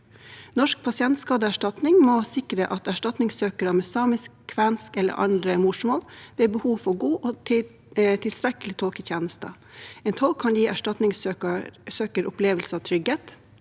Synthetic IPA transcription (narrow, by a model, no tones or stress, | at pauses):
nɔʂk̚pʰɑsɪɛnt̪skɑːd̪əæʂʈɑt̪nɪŋmɔsɪkɾəʔɑt̪æʂʈɑt̪nɪŋsøːkəɾəmɛsɑːmɪskkʰːʋænskɛlːə̰ɾʔɑ̰nd̪ɾəmʊʂmoːlʋeːbəhuːʋfɔɡuːʔot̪ɪ | t̪ʰɪlst̪ɾɛkəlɪt̪ʰɔlkəçʰjeːnəst̪ə̰ | eːnt̪ʰɔlkʰːɑnjiːʔæʂʈɑt̪nɪŋsøsøːkəɾʊpleːʋəlsəɑʋt̪ʰɾʏɡheːt̪